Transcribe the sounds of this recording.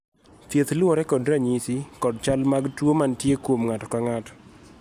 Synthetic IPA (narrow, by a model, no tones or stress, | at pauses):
t̪jet̪lɔɾɛkɔdɾaɲisikɔdt͡ʃalmaɡtwomantjekwomŋatɔ̥kaŋatɔ̥